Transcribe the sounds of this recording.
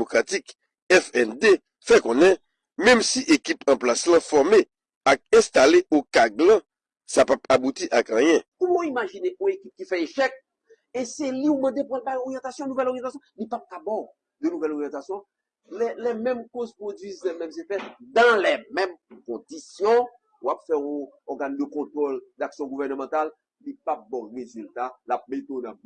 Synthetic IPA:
mokʁatik | ɛfɛnd̪e | fɛkõnɛ̃ | mɛ̃msiʔekipɐ̃plaslãfɔʁme | ak̚ɛ̃st̪aleʔokaɡlã | sapapabutiʔakɐ̃jɛ̃kumɔimaʒineʔɔ̃ekip̚kifɛeʃɛk̚ | eseliumɐ̃d̪epwalbajoɣijɑ̃t̪asjɔ̃nũvɛloʁjɑ̃t̪asjɔ̃lipap̚kabɔ | d̪ønuvɛlɔʁjɑ̃t̪asjɔ̃ | lɛlɛmɛ̃mkozpʁod͡zɥizlɛmɛ̃mzefɛd̪ãlɛmɛ̃mkɔ̃d̪isjɔ̃ | wapfɛɔ̃ɔɡand̪əkɔ̃t̪ʁɔld̪aksjɔ̃ɡuvɛʁnəmɑ̃t̪al | lipap̚bɔ̃ʁezylt̪alap̚met̪onã

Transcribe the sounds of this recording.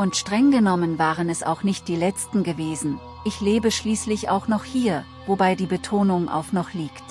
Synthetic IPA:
ʊntʃtʁ̥ɛŋɡənɔmənvaːʁənɛsa̰ʊxnɪçt̚d̥iːlɛt͡stn̩ɡəveːzn̩ | ʔɪçleːbəʃliːslɪça̰ʊxnɔχhiːɐ | vobaɪdiːbətʰoːnʊŋʔa̰ʊxnɔχliːkt

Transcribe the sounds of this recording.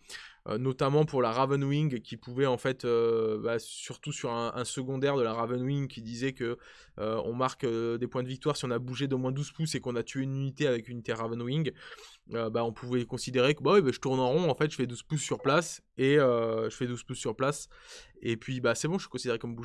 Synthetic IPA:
ø̰nɔt̪amɑ̃puʁlaʁavɛnwiŋɡkʲipuvɛɑ̃fɛt̪øbasyʁt̪usyʁɛ̃ʔɛ̃səɡɔ̃d̪ɛʁd̪əlaʁavɛnwiŋkʲʰid̪izɛkə | øɔ̰̃maʁkød̪epwɛ̃d̪əvik̚t̪waʁsiɔ̃nabuʒed̪omwɛ̃d̪uz̥pusekɔ̃nat̪ʰyeynynit̪eavɛkynit̪eʁavɛnwiŋɡ | øbaɔ̃pʰuvɛkɔ̃sid̪eʁekbawibaʒət̪uʁnɑ̃ʁɔ̃ɑ̃fɛt̪ʒə̥fɛd̪uz̥pusːyʁplas | eøʒəfɛd̪uz̥pusːyʁplasepɥibasɛbɔ̃ʒəʃikɔ̃sid̪eʁekɔmbuʒ

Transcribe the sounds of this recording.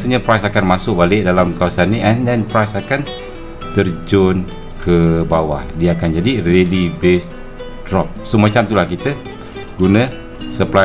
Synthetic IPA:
səɲapɾajsakanmasʊk̚balɪʔdalamkawasanːĩʔɛndɛnpɾajsakan | t̪ərd͡ʒɔn | kʰəbawahdiaakand͡ʒadirelibes | drɔp̚somat͡ʃamt̪ulahkit̪ə | ɡunə̃ | səpla

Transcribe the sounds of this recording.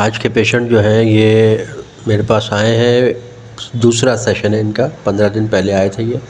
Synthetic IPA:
aːd͡ʒkepeːʃə̃ɳʈd͡ʒoːɦɛ̃je | meːɾepaːsaːẽɦɛ̃ | d̪uːsɾasɛːʃənɦɛɪnkapɐ̃nd̪ɾad̪ɪnpɛɦleaːet̪ʰejeː

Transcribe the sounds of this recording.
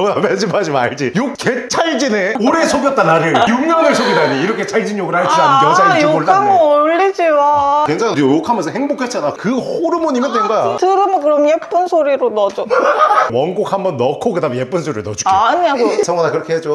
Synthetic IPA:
amed͡ʑʰimad͡ʑimaɭd͡ʑijok̚kʰːet͡ɕʰaɭd͡ʑineoɾesʰoɡjʌt͈anaɾɯjuŋɲanesʰoɡidaɲiiɾʌkʰet͡ɕʰaɭd͡ʑiɲjoɡɯɭhaɭd͡ʑud͡ʑianʌsʰajooɭtameoʎːid͡ʑiwakweŋt͡ɕʰaŋdjokʰamjʌnsʰʌɦeŋbokʰet͡ɕ͈anakɯhoɾɯmoɲimɯndwenɡʌja̰tɯɾɯmʌkɯɾʌmjep͈ɯnsʰoɾiɾonʌd͡ʑowʌnɡok̚hambʌnːʌkʰokɯdamjep͈ɯnsʰoɾiɾonʌd͡ʑu̥kʰaaɲiaosʰʌŋanakɯɾʌkʰeɦed͡ʑo

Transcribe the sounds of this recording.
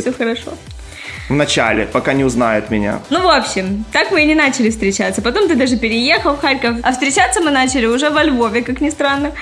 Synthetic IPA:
sʲoxəɾɐʂo̰ | vnɐt͡ɕa̰lʲɪ̰pɐkanʲɪʊznajʊt̪mʲɪnʲa̰nuvo̞pɕːɪmt̪akmɨnʲɪnat͡ɕɪlʲɪfst̪ɾʲɪt͡ɕat̪səpɐt̪o̞mt̪ɨd̪aʐɨpʲɪɾʲɪjexəlˠfxaɾʲkəfɐfst̪ɾʲɪt͡ɕat̪sːəmɨnat͡ɕɪlʲɪʊʐɛvɐlʲvo̞vʲɪkaknʲɪst̪ɾanːə

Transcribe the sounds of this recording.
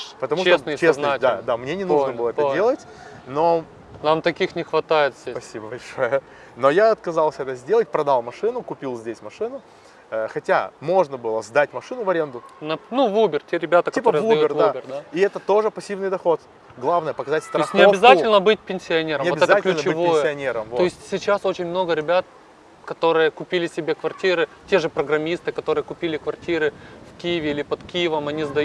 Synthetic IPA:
pət̪ɐmuʂesnət͡ɕesnd̪ad̪amnʲenʲɪnuʐnəbɨlˠəɛədʲelˠətʲ | no̞ | namt̪ɐkʲixnʲɪxvɐt̪ajɪt̪zʲespɐsʲibəbɐlʲʂo̞jə | no̞jaɐt̪kɐzalˠsʲɛt̪əzʲdʲe̞lˠət̚ʲpɾɐd̪alˠmɐʂɨnʊkʊpʲilˠzʲdʲesʲmɐʂɨnʊ | xɐtʲa̰mo̞ʐnəbɨlˠəzd̪atʲmɐʂɨnʊvɐɾʲe̞nd̪ʊnɐnuvubʲɪrtʲe̞ɾʲɪbʲat̪əktɐp̪oɾɨəjzd̪ɐjorvubʲɪrd̪aiɛt̪ət̪o̞ʐɨpɐsʲːivnɨjd̪ɐxo̞t̪ | ɡlˠavnəjəpəkɐzatʲst̪ɾoasʲnɪɐbʲɪzatʲɪlʲnəbɨt̚ʲpʲɪnʲsʲɪɐnʲe̞ɾəmoɛklʲʉt͡ɕɪvojəɪɐnʲeɾəmoɪsʲtʲsʲɪt͡ɕːaso̞t͡ɕɪnʲmno̞ɡəɾʲɪbʲat̪̚ | kɐt̪o̞ɾɨjəkʊpʲilʲɪsʲɪbʲekvɐrtʲiɾɨtʲe̞ʐɨpɾəɡɾɐmʲist̪ɨkɐt̪o̞ɾɨjəkʊpʲilʲɪkvɐrtʲiɾɨfkʲijɪvʲɪilʲɪpɐt̪kʲijɪvəmɐnʲizd̪ɐj

